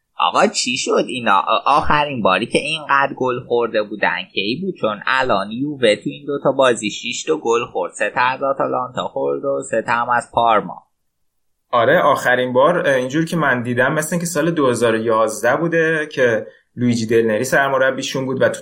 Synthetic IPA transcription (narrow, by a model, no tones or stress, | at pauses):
ʔɒ̰ɣɒt͡ʃʰiʃod̪inɒ̰ʔɒːxæɾinbɒːɾiːcʰeʔinɢæːd̪ɾɡolxoɾd̪e̞buːd̪æ̰ncʰejbuːd̪̥̚t͡ʃʰo̞næ̰lɒnjuvet̪ʰuiːnd̪ot̪ʰɒbɒːziʃiʃt̪oɡolxo̞ɾd̪̥set̪ʰːzɒt̪ʰɒlɒnt̪ʰɒ̰xoɾd̪oset̪ʰɒmæz̥pʰɒɾmɒ̰ | ɒɾeʔɒːxæɾimbɒːɾind͡ʒuːɾcʰemænd̪iːd̪æmːeslæŋcʲʰesɒːle̞d̪ohe̞zɒːɾojɒːzd̪æbuːd̪e̞cʰe̞ | luid͡ʒid̪elneɾisæɾmoɾæbːiːʃunbuːd̪væt̪